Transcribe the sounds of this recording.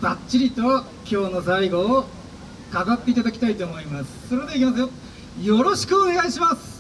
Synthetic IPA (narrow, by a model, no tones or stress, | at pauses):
b̥at͡ɕːiɾʲit̪o̞βa | kʲʰo̞ːno̞zaiɡo̞ː | kaɡat̪ːe̞it̪ad̪akʲi̥t̪ait̪o̞ːmo̞imasɨ̥soɾed̪eikʲimasjo | jo̞ɾo̞ɕi̥kɯ̟one̞ɡaiɕimasɨ̥